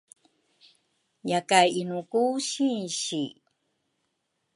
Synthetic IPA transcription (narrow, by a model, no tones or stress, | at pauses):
jakajinukuɕinɕi